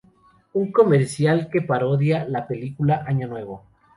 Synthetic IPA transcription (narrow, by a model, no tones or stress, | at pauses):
uŋko̞meɾsjalke̞paɾoðjalape̞likulaʔaɲanwe̞βo